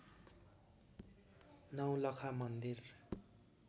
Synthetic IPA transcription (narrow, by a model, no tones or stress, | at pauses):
nʌwlʌkʰamʌnd̪ir